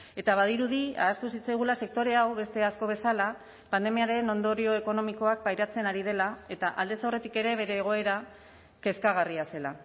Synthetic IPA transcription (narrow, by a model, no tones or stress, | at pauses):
e̞t̪aβaðiɾuðia̰ːskusit͡sajɣ̞ulase̞k̚t̪o̞ɾe̞awβe̞st̪e̞asko̞β̞e̞sala | pand̪e̞miaɾe̞no̞nd̪o̞ɾio̞e̞ko̞no̞miko̞ak̚bajɾat͡se̞naɾið̞e̞lae̞t̪aʔald̪e̞sawre̞t̪ike̞ɾe̞β̞e̞ɾe̞ːɣ̞o̞e̞ɾa | ke̞skaɣariase̞la